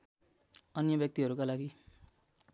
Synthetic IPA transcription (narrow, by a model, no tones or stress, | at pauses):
ʌnjʌbjʌk̚t̪iɦʌɾukalaɡi